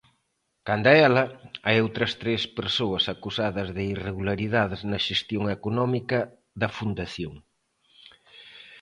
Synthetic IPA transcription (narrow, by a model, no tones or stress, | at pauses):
kand̪ɐɛlɐajowt̪ɾɐst̪ɾespeɾsoɐsɐkusaðɐzðɪireɣulaɾiðaðɪznɐʃest̪joŋekonɔmikɐ | ðɐfund̪ɐθjoŋ